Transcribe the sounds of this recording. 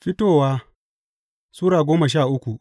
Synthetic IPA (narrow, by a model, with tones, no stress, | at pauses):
ɸɪ˦toː˦˨waː˦ | suː˦ɽaː˨ɡʷoː˦ma˨ʃ̬aː˦˨ʔʊ˦kʷu˨ʔ